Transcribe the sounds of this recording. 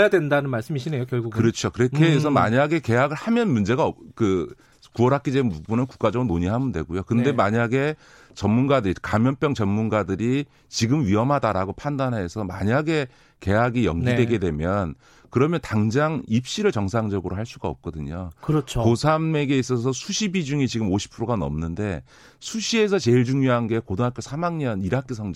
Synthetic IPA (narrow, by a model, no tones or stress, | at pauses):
jadwendanɯnmaɭs͈ɯmiɕʰinejokjʌɭɡuɡkɯɾʌt͡ɕʰokɯɾekeːs̬ʰʌma̰ɲaɡe̞ke̞ɦaɡɯɭhamjʌnmund͡ʑe̞ɡaʌkɯ | kuʌɾɦak͈id͡ʑenbubunɯnku̥k͈ad͡ʑʌŋɯnoɲiɦamɯndwe̞̰ɡujokɯnde̞maɲaɡe̞ | t͡ɕʌnmunɡadɯɾikamjʌnp͈jʌŋt͡ɕʌnmunɡadɯɾi | t͡ɕiɡɯmɥiʌmɦadaɾaɡopʰandanɦe̞sʰʌma̰ɲaɡe̞ | ke̞ɦaɡijʌŋɡidwe̞ɡe̞dwe̞mjʌn | kɯɾʌmjʌntaŋd͡ʑaŋip̚ɕ͈iɾɯɭt͡ɕʌŋsʰaŋd͡ʑʌɡɯɾoɦaɭs͈uɡaʌ̰p̚k͈ʌdɯɲokɯɾʌt͡ɕʰokosʰame̞ɡe̞is͈ʌs̬ʰʌsʰuɕʰibid͡ʑuŋit͡ɕiɡɯmoɕʰi̥pʰɯɾoɡanʌ̰mnɯnde̞ | sʰuɕʰie̞sʰʌt͡ɕe̞iɭd͡ʑuŋjoɦanɡe̞kodoŋɦak͈josʰamaŋɲʌniɾak͈esʰʌŋ